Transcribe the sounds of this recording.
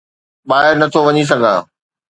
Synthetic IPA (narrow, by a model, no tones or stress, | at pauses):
ɓaːɦɪɾnɐt̪ʰoʋɐɲis̬ɐɡʱã̰ː